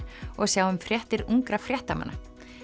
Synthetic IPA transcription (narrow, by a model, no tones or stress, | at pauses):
ɔɣsjawʏmfɾjɛht̪ɪɾuŋkɾafɾjɛht̪ama̰nːa